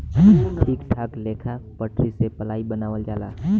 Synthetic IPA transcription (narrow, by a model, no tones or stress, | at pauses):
ʈʰiːkʈʰaːkleːkʰapəʈɾisepəlaːibənaːʋəld͡ʒaːlaː